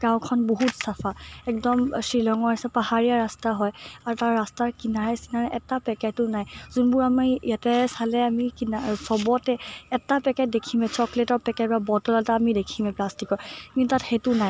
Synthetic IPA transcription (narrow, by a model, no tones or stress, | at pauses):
ɡ̥ãʊ̃kʰɔnboɦutsapʰaɛk̚dɔmsɹilɔŋɔɹasɛpahaɹijaɹastaɦɔjaɹutaɹːastaɹkinaɹɛsinaɹɛʔɛtapɛkɛtʊnajzunbʊɹamijatɛsalɛamikinasɔbɔtɛɛtapɛkɛdekʰimɛt͡ʃɔkletɔɹpɛkɛt̚babɔtɔlataːmidekʰimɛplastikɔɹkintatxetʊnaj